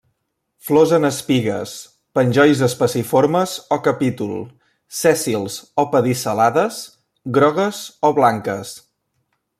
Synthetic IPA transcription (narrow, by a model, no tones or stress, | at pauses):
flɔzənəspiɣə̰s | pənʲʒɔjzəspəsifoɾməzɔkəpit̪ulˠ | sɛsilˠzɔpəðisəlaðəs | ɣɾɔɣəzɔβlaŋkəs